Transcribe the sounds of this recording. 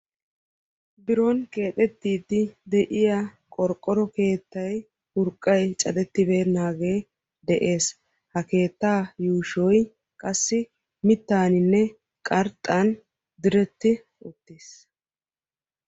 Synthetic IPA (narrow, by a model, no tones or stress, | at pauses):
bɪɾɔnke̞ːt̪ʼɛt̪ːiːt̪ːɪd̪ɛʔɪja | kʼɔɾkʼːɔɾɔke̞ːt̪ːɐj | hʊɾkʼːɐjt͡ʃʼɐd̪ɛt̪ːɪbe̞ːnaːɡe̞ː | d̪ɛʔe̞ːs | hɐke̞ːt̪ːaːjuːʃɔj | kʼɐsːɪ | mɪt̪ːaːnɪnːɛ | kʼɐɾt̪ʼːɐn | d̪ɪɾɛt̪ːɪ | ʊt̪ːis